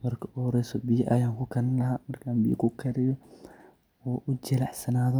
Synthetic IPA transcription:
mɐrkʰɐʔɔːɾɛjsɔbɪjɐʔɐjaːŋkʰʊkʰɐnlɐɦamɐrkʰaːmbḭj̰kʰʊkʰɐɾɪjɔ | wɔːʔʊd͡ʒɪlɐħsɐnaːðɔ

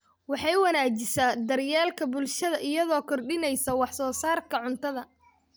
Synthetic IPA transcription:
wɑħɑjwɐnaːt͡ʃɪsaːd̪ɐrjaːlkʰɐbʊlʃɐðɐʔɪjɐðɔːkʰɔrɖɪnɛjsɐwɑħsɔːsaːrkʰɐʕʊnt̪ʰɐðɐ

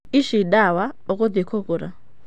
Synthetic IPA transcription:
iʃiɗawaokʼod̪ikʰokʼuɾa̰

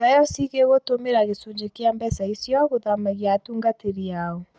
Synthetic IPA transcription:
ajɔsiɣeɣotomeɾaɣesuɲd͡ʒekeambɛsaisjɔɣoðamaɣjatuːŋɡateɾjaɔ

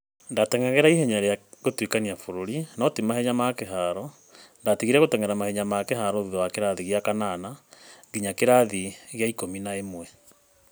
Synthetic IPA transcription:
ndatɛŋaɣeɾaiɦɛɲaɾeaɣotwekaniafoɾoɾinɔtimahɛɲamakeɦaɾɔ | ndatiɣiɾɛɣotɛŋɛɾamahɛɲamakeɦaɾɔðuðowakeɾaðiɣjakananaɡiɲakeɾaðiɣjaikominaemwɛ

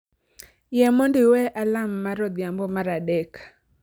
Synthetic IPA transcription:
jɛmondɪwɛʔalamːaɾɔd̪jambɔmaɾadɛk

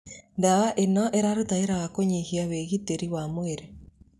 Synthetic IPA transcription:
ndawaʔenɔʔeɾaɾotaeɾaɣakoɲehiaweɣiteɾiwamoeɾe

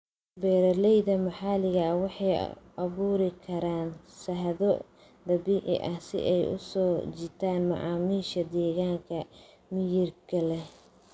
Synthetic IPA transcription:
bɛːɾɐlɛjðɐmɐħɑːlɪɣɐwɑħɑj̰ | ɐβuːɾɪkʰɐɾaːnsɐɦðɔ | d̪ɐβiːʕɪ̰ʔɐhsɪ̰ʔɛjʔʊ̰sɔːt͡ʃɪt̪ʰaːnmɑ̰ʕɑ̰ːmiːʃɐd̪ɛːɣaːŋkʰɐ | mɪjɪrkʰɐlɛ

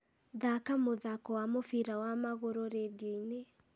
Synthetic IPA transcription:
ðakamoðakɔwamofiɾawamaɣoɾoɾedine

